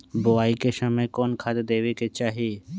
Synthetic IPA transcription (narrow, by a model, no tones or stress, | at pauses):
bʊaːikesəməjkɔːnkʰaːd̪d̪eːweket͡ʃaːɦie